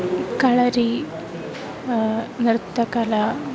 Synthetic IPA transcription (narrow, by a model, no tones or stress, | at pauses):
kaɭɐɾi | nɾt̪ːɐkala